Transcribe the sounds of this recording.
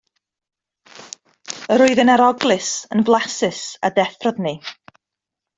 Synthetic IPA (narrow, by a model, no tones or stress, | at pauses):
əɾʊɨðənaɾɔɡlˠɨsənblˠasɨsa̰dɛθrɔdni